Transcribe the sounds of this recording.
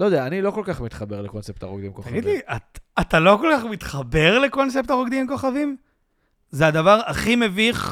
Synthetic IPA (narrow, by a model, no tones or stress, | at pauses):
lod̪eaːnilo̞ko̞lkaχmit̪χabeʁlekonsep̚t̪aʁoɡd̪imkoaɡid̪liʔatat̪alo̞ko̞lkaχmit̪χabe̞ʁlekons̬ept̪aʁoɡd̪imko̞χavim | zead̪avaʁaχime̞viχ